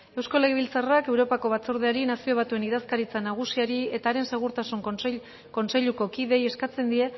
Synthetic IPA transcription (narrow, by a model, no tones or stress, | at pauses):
e̞wsko̞le̞ɣeβilt͡sarake̞wɾo̞pako̞β̞at͡soɾð̞e̞aɾinasio̞β̞at̪ue̞niðaskaɾit͡sanaɣ̞usiaɾie̞t̪aːɾe̞nse̞ɣ̞uɾt̪asuŋk | ko̞nse̞ʎuko̞kiðe̞je̞skat͡se̞nd̪ie̞